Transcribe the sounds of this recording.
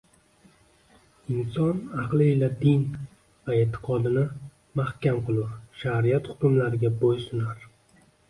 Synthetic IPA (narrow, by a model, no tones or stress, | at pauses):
ɪnsɒnɑqlˠɪːlad̪ɪn | vaet̪ʰːɪ̥qʰɒd̪ɪnɪ | mahkʲamqʰɨlˠuʃaɾijat̪χʊt̪ʊmlaɾɪɡʲabojsʊnaɾ